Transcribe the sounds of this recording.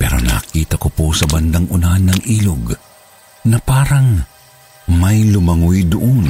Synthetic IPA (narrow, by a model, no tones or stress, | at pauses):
pɛ̰ːɾo̰nɐ̰kiːt̪ɐkoposɐbɐnd̪aŋʔʊnanɐŋʔiːloɡ | nɐpaːɾɐŋ | mɐjlʊmɐŋujd̪ʊʔon